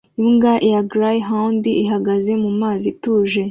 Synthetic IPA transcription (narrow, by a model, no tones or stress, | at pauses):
iŋɡaʔijaɡɾajɦaundiiɦaɡaze̞mumaːzituːʒe̞